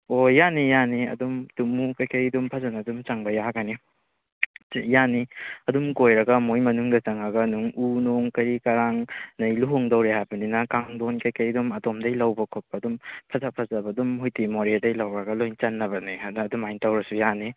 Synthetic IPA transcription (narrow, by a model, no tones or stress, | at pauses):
ojanijaniɐ̰dumtumukɐjkʰɐjdumpʰɐzanɐdumt͡ʃɐŋbɐjaɡani | janiɐdumkojɾɐɡɐmojmɐnuŋdɐt͡ʃɐŋɐɡɐnuŋunoŋkɐɾikɐɾaŋnɐjluɦoŋdɐwɾehajbɐninɐkaŋdonkɐjkʰɐjdumɐdomdɐjlɐwbɐkʰok̚p̚adumpʰɐzapʰɐzɐbɐdumɦujtimoɾedɐjlɐwɾɐɡɐlojŋt͡ʃɐnːɐbɐniaːdumajntawɾɐsujani